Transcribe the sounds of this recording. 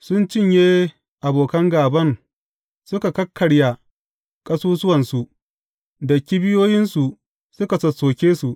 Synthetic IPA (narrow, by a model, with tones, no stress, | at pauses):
sʊ˦nt͡ʃɪ˦˨ɲjeː˦ | ʔa˨boː˨kɐ˦ŋɡaː˨bɐ˦ŋ | sʊ˦ka˨kɐ˦kʰːɐ˨ɽja˨ | kʼɐ˦suː˦sʊ˦wɐ˨nsu˨ | dɐ˨kʲi˦bɪ˦joː˦jɪ˦nsu˨ | sʊ˦ka˨sɐ˨soː˨kʲeː˦su˨ʔ